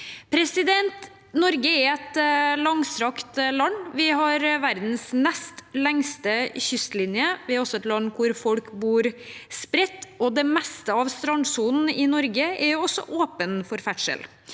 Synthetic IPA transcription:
pʰɾɛsɪd̪ɛnt̪ | nɔɾɡəɛɾɛt̪lɑŋsɾɑkt̪lɑnːʋɪɦɑɾʋæɾd̪n̩smɛst̪lɛŋst̪əçʏst̪lɪnjəʋɪhɑɾɔsɔɛt̪lɑnːkʰʊɾfɔlkbuːɾspɾɛt̪ːɔd̪ɛmɛst̪əɑʋst̪ɾɑnsuːn̩ɪnɔɾɡəɛɾjʊɔsɔ̰ʔoːpənfɔɾfæʈʂə̰l

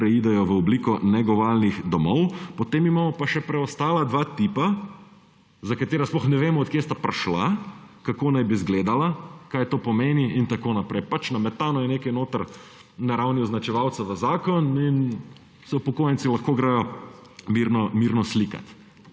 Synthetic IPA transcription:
pɾɛiːd̪ɛjɔʋəɔbliːkɔnɛɡɔʋaːlnixd̪ɔmɔwpɔt̪eːmimaːmɔpaʃɛpɾɛɔst̪aːlad̪ʋaːt̪iːpa | zakat̪eːɾasplɔxnɛʋeːmɔːt̪kjest̪apɾaʃlakakoːnajbizɡleːd̪alakajt̪oːpɔmeːniint̪akoːnapɾɛjpat͡ʃnamɛt̪aːnɔjɛneːkɐnoːt̪əɾ | naɾawniɔznat͡ʃɛʋawt̪saʋəzaːkɔnin | sɛpɔkoːjɛnt̪silaxkoːɡɾajɔmiɾnɔmiɾnɔslika̰t̪

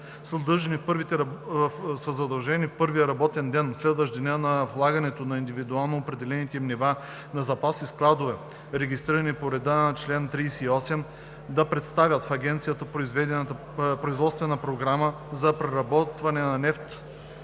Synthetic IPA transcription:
səd̪ɤʒɐnifpɾvit̪ɛ | səzɐd̪ɐlˠʒɛnifpɤɾvijəɾɐbɔt̪ɛnd̪ɛnslɛd̪vəʃd̪nʲənɐvlˠaɡɐnɛt̪onɐind̪ivid̪ualˠnoːpɾɛd̪ɛlɛnit̪ɛmniva | nɐzɐpasisklˠad̪ovɛ | ɾɛɡʲist̪ɾiɾɐnipoɾɛd̪at͡ʃlɛnt̪ɾiːsɛiɔsɛm | d̪ɐpɾɛt̪st̪avʲɐt̪fɐɡʲɛnt̪sijət̪əpɾoizvɛd̪ɛnt̪ | pɾoizvɔt̪st̪vɛnəpɾoɡɾamə | zɐpɾɛɾɐbɔt̪vɐnɛnɐnɛft̪

